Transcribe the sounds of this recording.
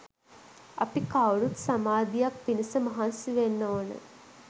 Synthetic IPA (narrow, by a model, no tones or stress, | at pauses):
ɐ̰pikawɭut̪samaːd̪ijak̚pinisəmaɦansiʋenːoːnə̰